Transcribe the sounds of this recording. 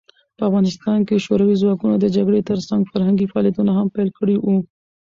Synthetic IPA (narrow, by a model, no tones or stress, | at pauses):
pəafɣɑnɪst̪ɑnkeʃoɾawizwɑkunod̪əd͡ʒaɡɽet̪əɾsaŋɡfaɾhaŋɡifɑɑljat̪unaɦampɛlkʰəɽiwu